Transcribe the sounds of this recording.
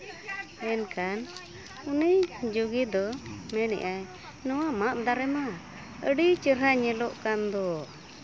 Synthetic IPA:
ɛnkan | unid͡ʒuɡid̪ɔmɛnɛ̰ʔaj | nɔwamaʔd̪aɾɛma | əɖit͡ʃəɾɦaɲɛlɔʔkand̪ɔ

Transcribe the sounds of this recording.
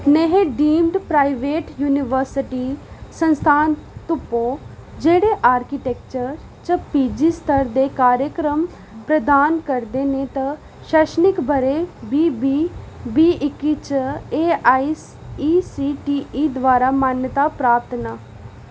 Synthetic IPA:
neɦeɖiːmɖpɾaːiʋeːʈjuːnɪʋəɾsɪʈisə̃nst̪ʰaːnt̪ʊpːoːd͡ʒeːɽeʔaːɾkiʈeːk̚t͡ʃəɾ | t͡ʃəpiːd͡ʒist̪ʰəɾd̪eːkaːɾjəkɾəm | pɾəd̪aːnkəɾd̪eːnet̪ɐ | ʃɛʃənɪkbʱəɾebiːbibiːɪkit͡ʃeːaːis | iːsiːʈiːiːd̪ʋaːɾamaːnjət̪apɾaːp̚t̪ʰnaː

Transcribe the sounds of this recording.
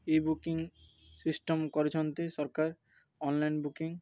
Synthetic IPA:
ebukiŋ | sisʈomkɔɾet͡ɕʰont̪eʃɔɾkaɾ | ɔnlajnbukiŋ

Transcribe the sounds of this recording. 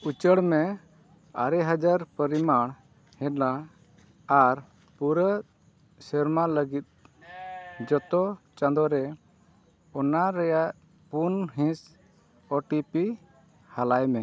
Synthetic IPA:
ut͡ʃəɽmɛ | aɾɛɦad͡ʒaɾpəɾimaɽ̃ | hɛ̃t̪la | aɾ | puɾət̪ | sɛɾmaləɡit̪̚ | d͡ʒɔt̪ɔt͡ʃãnd̪ɔɾɛ | ɔnaɾɛjaʔ | punɦĩs | ɔʈipi | halajmɛ

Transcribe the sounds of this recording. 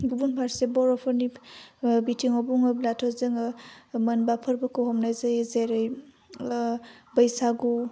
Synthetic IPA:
ɡubunpʰaɾsebɔɾɔpʰɔɾni | bitʰiŋɔbuŋɯblatʰɔzɯŋɯmɐnbapʰɐɾbakʰowhɔmnajzajezeɾɯj | bəjsaɡu

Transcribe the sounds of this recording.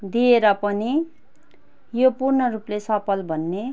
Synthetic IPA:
d̪ieɾʌpʌni | jopurnʌruplesʌpʰʌlbʱʌnːe

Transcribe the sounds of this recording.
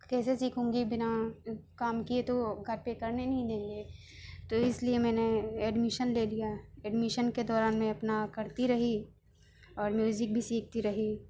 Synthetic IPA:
kɛːsesiːkʰɦõːŋɡibɪnakaːmkiet̪oɡʱɐɾpekɐɾnenɐɦĩd̪ẽːŋɡeː | t̪oɪsliemɛ̃ːneeːɖmɪʃənleːlijaeːɖmɪʃənked̪ɔːɾaːnmẽɐpnakɐɾt̪iɾɐɦi | ɔːɾmjuːzɪk̚bʱisiːk̚ʰt̪iɾɐɦi

